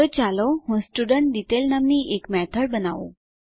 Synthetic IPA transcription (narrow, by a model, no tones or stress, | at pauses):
ot͡ɕaloɦũsʈuɖəɳʈɖ̪it̪elnamniʔekmɛt̪ʰəɽbənaʋṵ̃